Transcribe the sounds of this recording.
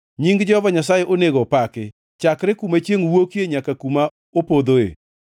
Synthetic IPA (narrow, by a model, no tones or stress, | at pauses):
ɲiŋɡd͡ʒɔhɔvaɲas̬ajeʔoneɡopakɪ | t͡ʃakɾɪkumat͡ʃjeŋwokjeɲakakuma | opod̪oḛ